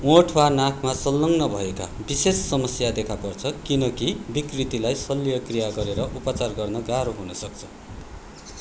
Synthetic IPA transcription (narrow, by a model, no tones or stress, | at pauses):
oʈʰwanakʰmasʌlːʌŋnʌbʱʌeka̰bisesːʌmʌsjad̪ekʰapʌrt͡sʰʌkinʌkibikrit̪ilajsʌlːijʌkrijaɡʌɾeɾʌʔupʌt͡sarɡʌrnʌɡaɾoɦunʌsʌk̚t͡sʰʌ̥